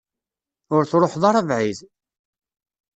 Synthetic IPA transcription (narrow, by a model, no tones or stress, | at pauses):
ʊɾθɾˤoħðˤɑɾˤɑvʕið